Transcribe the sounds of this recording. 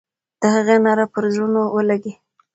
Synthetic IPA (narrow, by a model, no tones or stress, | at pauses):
d̪̥əhaɣenɑɾapəɾzɾunowəlaɡe